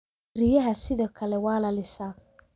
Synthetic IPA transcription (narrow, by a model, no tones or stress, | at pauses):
rɪjɐɦɐsɪðɔːkʰɐlɛwɑːlɐlɪsa